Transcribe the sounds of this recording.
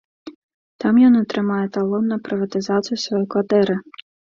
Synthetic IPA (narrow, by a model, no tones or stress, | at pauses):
t̪ɑmjɔnɔt̪ɾɪmɑjɛt̪ɐlˠɔnnɐpɾɪʋɐt̪ɪzɑt͡s̪ʲijʊsʋɔjɔjkʋɐt̪ɛɾɪ